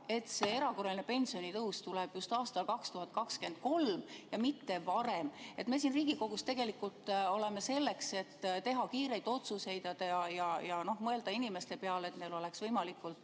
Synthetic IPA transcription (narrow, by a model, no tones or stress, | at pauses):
e̞t̪se̞e̞ɾɑko̞rɑlinepe̞nʲsio̞nit̪ɤwst̪uleb̥just̪ɑːst̪ɑlkɑkst̪uɦɑt̪̚ˑkɑkske̞nd̪̚ko̞lmjɑmit̪ːe̞vɑɾe̞me̞t̪ːme̞sinriːɡ̥iko̞ɡ̥ust̪e̞ɡ̥e̞likːˑult̪ˑo̞le̞me̞se̞lːe̞kse̞t̪ːt̪e̞ɦɑkiːɾe̞jd̪̥o̞t̪suse̞jd̪ɑd̪̥ɑjɑjɑjɑno̞hmɤe̞ld̪ɑinime̞st̪e̞peɑle̞t̪ne̞lo̞le̞ksvɤjmɑlikːult̪ˑ